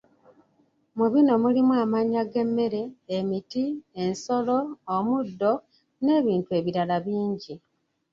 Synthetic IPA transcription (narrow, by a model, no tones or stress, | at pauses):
muβino̞mulimwaːmaɲaɡe̞mːe̞ɾe̞ːmitienso̞lo̞ːmudːo̞ | ne̞ːβiːntue̞ːβiɾalaβiːɲɟi